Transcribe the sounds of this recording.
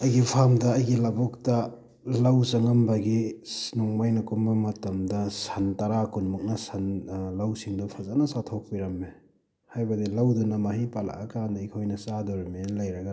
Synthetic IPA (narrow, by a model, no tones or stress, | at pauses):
ɐjɡipʰamdɐːjɡilɐbɔk̚tɐ | lawsɐŋɐmbɐɡinɔŋmajnɐkumbɐmɐtɐmdɐsɐntaɾakunmuk̚nɐsɐnlawsiŋdupʰɐzanɐsatʰok̚piɾɐmːe | hajbɐdilawdunɐmaɦipala̰ʔɐkandɐikʰojnɐsadoɾɐmelɐjɾɐɡa